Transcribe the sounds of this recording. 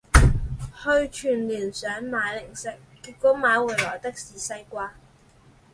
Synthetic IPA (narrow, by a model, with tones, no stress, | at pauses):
hɵ˧ɥt͡ʃʰyː˨˩nliː˨˩nsœː˨˥ŋmaː˨˥jlɪ˨˩ŋsɪ˥˩kːiː˧t̚kɔː˨˥maː˨˧˥jwuː˨˩jlɔː˨˩jt̪ɐ˥k̚siː˨˩sɐ˧jkʷaː˧